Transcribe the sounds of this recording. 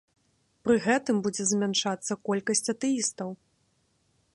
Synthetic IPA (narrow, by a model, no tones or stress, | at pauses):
pɾɨɣɛt̪ɨmbud͡zʲɛzmʲanʂat̪sːɐkɔlʲkɐsʲt͡sʲɐt̪ɨist̪ɐw